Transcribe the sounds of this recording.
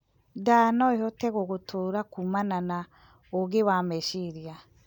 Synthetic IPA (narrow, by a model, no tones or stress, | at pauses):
daːnɔehotɛɣoɣotʰoɾakumanana | oɡewaːmɛʃiɾja